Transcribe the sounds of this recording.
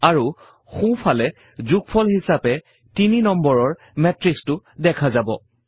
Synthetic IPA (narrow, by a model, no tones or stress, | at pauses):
aɹu | xũpʰalɛ | zuk̚pʰɔlhisapɛ | tininɔmbɔɹɔɹ | mɛtɹikstʊdɛkʰazabɔ̰